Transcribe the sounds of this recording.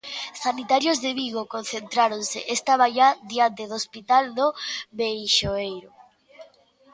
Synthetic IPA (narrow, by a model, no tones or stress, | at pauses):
sanit̪aɾjozðeβiɣokon̟θent̪ɾaɾonsɪ̰ʔest̪aβaʎaðiant̪eðospit̪alnoβejʃoejɾʊ